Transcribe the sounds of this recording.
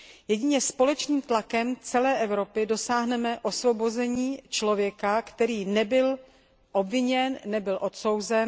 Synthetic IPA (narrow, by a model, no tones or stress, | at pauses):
jɛɟɪɲɛspo̞lɛt͡ʃniːmt̪lakɛmt͡sɛlɛːʔɛvɾo̞pɪdo̞saːɦnɛmɛʔo̞svo̞bo̞zɛɲiːt͡ʃlo̞vjɛkakt̪ɛɾiːnɛbɪl | ʔo̞bvɪɲɛnːɛbɪlʔo̞t̪so̞wzɛn